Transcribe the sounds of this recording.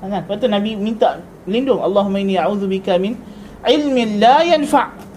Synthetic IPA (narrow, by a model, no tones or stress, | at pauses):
aŋanbat̪unabimint̪aʔ | lindʊŋʔɑlˤːɑːɦʊmːaʔɪnːiʔaʕuːðubɪkamɪn | ʕɪlmɪnlajanfaʔ